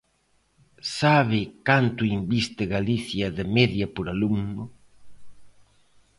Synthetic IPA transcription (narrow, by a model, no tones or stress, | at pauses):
saβɪkant̪ʊimbist̪ɪɣaliθjɐðɪmeðjɐpoɾaluŋnʊ